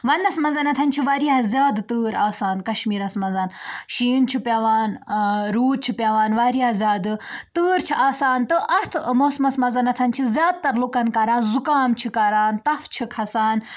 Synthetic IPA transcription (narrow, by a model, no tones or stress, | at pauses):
ʋɐnːɐsmɐzɐnɐt̪ʰɐnt͡ʃʰiʋaːɾiaːzʲjaːd̪t̪ɨːɾaːsaːnkɐʃmiːɾɐsmɐzɐnʃiːnt͡ʃʰipʲjaːʋaːnɾuːɾ̚t͡ʃʰipjaːʋaːnʋaːɾijaːzʲjaːd̪ɨt̪ɨːɾt͡ʃʰiʔaːsaːnt̪ɨʔɐt̪ʰmoːsmɐsmɐzɐnɐt̪ʰɐnt͡ʃʰizʲjaːd̪̚t̪ɐɾlukɐnkɐɾaːnzukaːmt͡ʃʰikɐɾaːnt̪ɐft͡ʃʰikʰɐsaːn